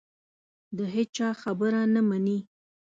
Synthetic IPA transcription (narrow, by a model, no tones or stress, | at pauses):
d̪əɦet͡ʃɑxabəɾanamani